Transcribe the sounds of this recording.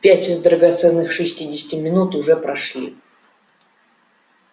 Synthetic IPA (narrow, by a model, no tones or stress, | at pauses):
pʲætʲɪzd̪ɾəɡɐt̪sɛnːɨxʂɨsʲtʲidʲɪsʲɪ̥tʲɪmʲɪnut̪ʊʐɛpɾɐʂlʲḭ